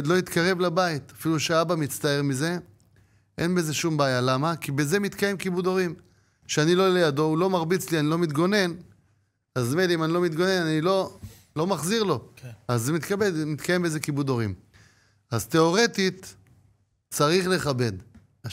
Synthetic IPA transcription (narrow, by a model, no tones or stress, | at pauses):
d̪lo̞it̪kaʁe̞vlabait̪afiluʃeabamit͡st̪ae̞ʁmize̞ | ʔe̞̰nbe̞zeʃumbaːjalamakibe̞ze̞mit̪kaje̞mkibud̪o̞ʁim | ʃeanilo̞lejado̞ulo̞maʁbit͡slianilo̞mit̪ɡo̞ne̞n | azmediimanilo̞mit̪ɡo̞ne̞nanilo̞ | lo̞maχziʁlo̞azemit̪kabedmit̪kaje̞mbe̞zekibud̪o̞ʁim | azt̪e̞o̞ʁe̞t̪it̪ | t͡saʁiχle̞χabe̞d̪ | a